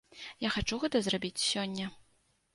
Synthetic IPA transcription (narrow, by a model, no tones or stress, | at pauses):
jaxat͡ʂuɣɛt̪ɐzrabʲit͡sʲsʲɔnʲːɐ